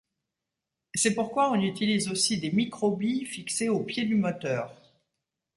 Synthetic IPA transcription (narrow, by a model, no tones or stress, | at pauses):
sɛpuʁkwaɔ̃nyt̪ilizosid̪emikχɔbifikseopjed̪ymɔt̪œːʁ